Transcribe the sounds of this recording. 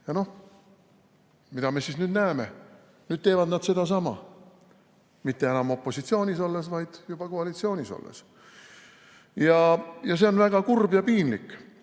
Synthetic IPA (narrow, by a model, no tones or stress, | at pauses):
jɑno̞h | mid̪̥ɑme̞sisnyːd̪næeme̞ | nyːd̪̥̚t̪e̞ːvɑd̪nɑd̪̥se̞d̪̥ɑsɑmɑ̰ | mit̪ːe̞enɑmo̞pːˑo̞sit̪sio̞ːnʲiso̞lːesvɑjd̪̥jub̥ɑkoɑlit̪sio̞ːnʲiso̰lːḛs | jɑjɑs̬e̞o̞nvæɡ̥ɑkurbjɑpiːnlikːˑ